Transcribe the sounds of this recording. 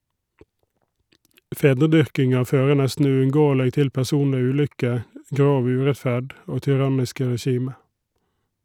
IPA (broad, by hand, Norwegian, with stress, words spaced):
ˈfeːdəˌdʏʁkɪŋɑ ˈføːʁə ˈnɛstn̩ ʉʉnˈɡoːəlɛɡ ˈtɪl pæʁˈsuːnlɛ ˈʉːˌlʏkə ˈɡɾoːʋ ˈʉːɹɛtˌfæd ˈoː tʏˈʁɑnɪskə ɹɛˈʃiːmə